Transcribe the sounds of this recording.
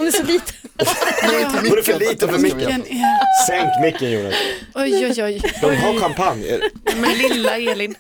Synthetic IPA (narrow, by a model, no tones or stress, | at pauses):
hʊnɛʂɔliːt̪ʰə | ɔɾɛfœɭiːt̪əfəmɪkːəənɛsɛŋkmɪkːənjṵːɖa̰nɔjɔjɔjd̪ɔmɦaɾkʰampʰanjə̰ɾmɛnlɪlːaeːlɪn